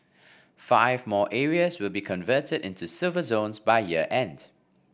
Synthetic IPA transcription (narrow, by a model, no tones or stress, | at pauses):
faɪvmɔːʔɛɹiəswɪlˠbikʰɔ̃nvɜːtədɪ̰̃ntusɪlˠvəzõʊ̃nsbaɪjiəʔɛ̃nd̥